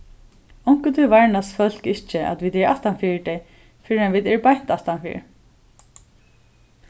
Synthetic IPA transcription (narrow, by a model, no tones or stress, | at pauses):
ɔwŋ̥kət̪ʰʏvaɹnasfœl̥kɪht͡ʃɪʔa̰t̪viːt̪ɛɹa̰ht̪anfiːt̪ɛj | fɪːɾɪanviːt̪ɛɹpajn̥t̪aft̪anfɪ̰ːɾ